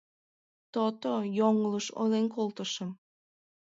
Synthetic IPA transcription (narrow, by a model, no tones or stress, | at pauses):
t̪ot̪ojoŋləʃo̰jlenkolt̪əʃəm